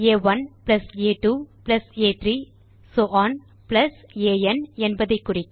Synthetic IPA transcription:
eːʋɐnplɐseːʈuːplɐseːt̪ɾiː | soːʔaːn | plɐseːɛnɛnbɐðɐɪkːʊrɪkː

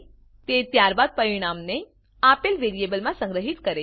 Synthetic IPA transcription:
t̪et̪jaɾbad̪̚pəɾiɽ̃amne | apelʋeɾijebəlmãsə̃ŋɡɾəɦit̪kəɾe

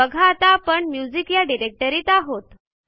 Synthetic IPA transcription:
əɡʱaːt̪apəɳmjud͡zikjaɖiɾek̚ʈəɾiːt̪aɦot̪

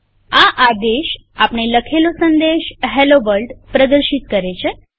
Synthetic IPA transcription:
aʔad̪eʃ | apɳ̃eləkʰelosənd̪eʃɦelobəlɖpɾəd̪əɾʃit̪̚kəɾet͡ɕʰe

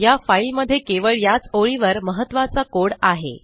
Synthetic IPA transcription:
jafajlməd̪ʱːjekeʋəɭjat͡soɭiʋəɾməɦət̪ːʋat͡sakoɽaɦḛ

